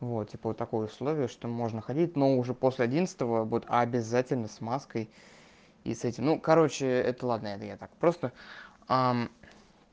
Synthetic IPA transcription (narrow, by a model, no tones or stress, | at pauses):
vot̪tʲipəvot̪ːɐko̞jəʊslˠo̞vʲɪjəʂt̪o̞mo̞ʐnəxɐdʲit̚ʲno̞ʊʐɛpo̞sʲlʲɪɐdʲint̪sɨ̥t̪əvəvbut̪abʲɪzatʲɪlʲnəsmaskəj | ḭsɛtʲɪmnukɐɾo̞t͡ɕɪɛt̪əlˠad̪nəɛt̪əjat̪akpɾo̞st̪ə | a